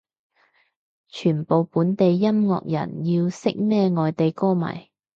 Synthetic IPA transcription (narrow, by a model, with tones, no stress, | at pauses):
t͡ʃʰyː˨˩npo˨wpuː˨˥nt̪e˨jːɐ˥mŋɔ̰ː˨k̚jɐ̰˨˩njiː˧wsɪ˥k̚mɛː˥ŋɔː˨jt̪e˨jkɔː˥mɐ̰˨˩j